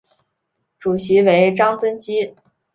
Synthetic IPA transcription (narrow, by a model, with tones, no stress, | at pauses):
ʈ͡ʂu˨˩ɕi˧˥we˧˥ɪʈ͡ʂɑ˥ŋt͡sə˥nt͡ɕi˥